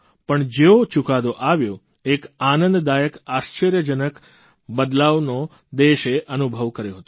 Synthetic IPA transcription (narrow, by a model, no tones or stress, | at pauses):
pəɳd͡ʒeot͡ʃukad̪oʔaʋjo | ekanənd̪d̪ajəkaʃt͡ʃəɾjəd͡ʒənək | bəd̪laʋno | d̪eʃeʔənubʱəʋkəɾjoɦət̪o̥